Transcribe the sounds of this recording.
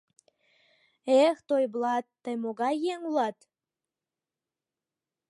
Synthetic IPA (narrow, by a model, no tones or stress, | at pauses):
ext̪ojblɑt̪ːəjmoɣɑjeŋulɑt̪